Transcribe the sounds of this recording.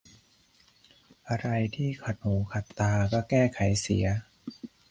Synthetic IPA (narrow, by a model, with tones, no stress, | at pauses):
ʔa˧ɾa˧jt̪ʰiː˥˩kʰa˨˩t̪̚huː˩˦kʰa˨˩t̪ːaː˧kɔː˥˩kɛː˥˩kʰa˩˦jsḭ˩˦ɐ